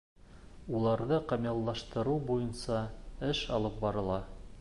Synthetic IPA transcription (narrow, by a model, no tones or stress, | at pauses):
ulˠɑɾðɤqɑmjɑlˠːɑʃt̪ɤ̆ɾuwbujɤnsɑɘʃɑ̰lˠɤp̚bɑɾɤ̆lˠɑ